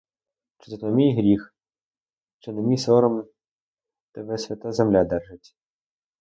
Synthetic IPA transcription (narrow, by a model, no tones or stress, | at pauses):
t͡ʃɪ̥zɔt̪ɔmʲijɦɾʲix | t͡ʃɪnemʲisɔɾɔm | t̪ɛʋɛsʲʋʲɐt̪azemlʲad̪ɛrʐɪtʲ